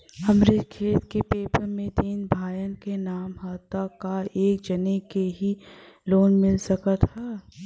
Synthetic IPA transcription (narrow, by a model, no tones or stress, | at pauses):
ɐmɾɪt̪kʰeːt̪kepeːpəɾmẽt̪iːnbʱaːjənkenaːmɦaːt̪akaeːk̚d͡ʒɐnekeɦiloːnmɪlsɐkət̪ɦɛː